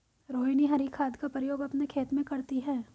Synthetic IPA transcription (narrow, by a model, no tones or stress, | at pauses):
ɾoːɦiniɦɐɾikʰaːd̪kapɾɪjoːɡɐpnekʰeːt̪mẽkɐɾt̪iɦɛː